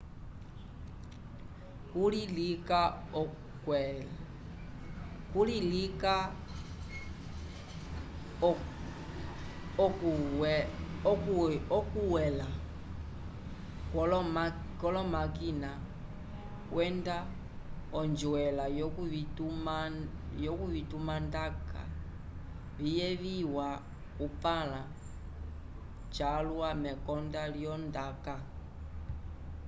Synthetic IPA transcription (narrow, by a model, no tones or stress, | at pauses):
kulilikaɔ | kwɛl | kulilika | ɔk | ɔkuwɛla | kɔlɔmakina | wʔɛnda | ɔnd͡ʒuwɛlajɔkuitumajɔkuβitumandaka̰ | βijɛβiwa | kupala | t͡ʃaluamɛkɔndaljɔndaka